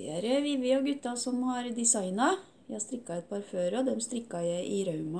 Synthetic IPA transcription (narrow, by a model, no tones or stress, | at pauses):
æɾəʋɪʋɪoɡʉt̪ːɑsɔmhɑɾd̪ɪsɑɪnɑ | jæhɑst̪ɾɪkːɑɛt̪̚pʰɑːɾføːɾɔd̪ɛmst̪ɾɪkːɑjæɪʔɪɾɑʉmɑ